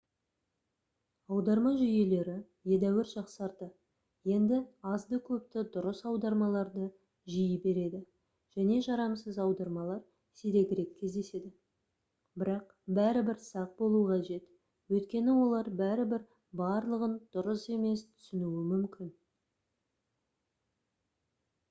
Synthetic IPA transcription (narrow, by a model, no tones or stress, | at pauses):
ɑwd̪ɑɾmɑʒʏje̞le̞ɾɪ | je̞d̪æwɪɾʒɑqsɑɾd̪ə | je̞nd̪ɪɑzd̪əkʲʰɵpt̪ɪd̪ʊɾəsɑwd̪ɑɾmɑlˠɑɾd̪ə | ʒɪjəbe̞ɾe̞d̪ɪ | ʒ̥æne̞ʒɑɾɑmsəzɑwd̪ɑɾmɑlˠɑɾ | seɾe̞ɡʲɪɾe̞kʲʰːe̞zd̪e̞se̞d̪ɪ | bɪɾɑq | bæɾɪbɪɾsɑq̚bo̞lˠuqʰɑʒe̞t̪ | wɵjt̪kʲe̞nɪwo̞lˠɑɾbæɾɪbɪɾ | bɑɾlˠəʁənd̪̥ʊɾəse̞me̞st̪ʰʏ̥sɪnuɪmʏmkʲʰɪn